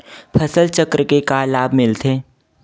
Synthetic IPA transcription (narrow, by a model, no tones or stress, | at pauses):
pʰəsəlt͡ʃəkɾəkekalaːbmɪlt̪ʰeː